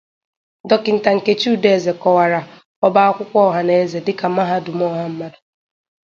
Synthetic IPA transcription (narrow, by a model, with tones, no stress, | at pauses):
dɔ˦kɪ˨n̩˨ta˨ŋ̩˨ke˦t͡ʃu˦de˦˨ze˨kɔ˨wa˨ɾa˨ | ɔ˦ba˦a˦kʷʊ˦kʷɔ˦ɦa˨ne˦e˦ze˨dɪ˦ka˨ma˦ɦa˦dʊ˨mɔ˦ɦa˦m̩˦ma˦dʊ̥˨